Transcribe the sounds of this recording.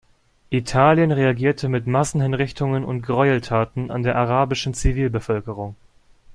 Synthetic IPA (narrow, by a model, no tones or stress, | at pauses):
ʔitʰaːljənʁeaɡiːɐtʰəmɪtmasn̩hɪnʁɪçtʊŋənʊ̰nt̚ɡ̥ʁɔʏltʰaːtn̩ʔa̰ndeːɐʔaʁaːbɪʃn̩t͡siviːlbəfœlkəʁ̞ʊŋ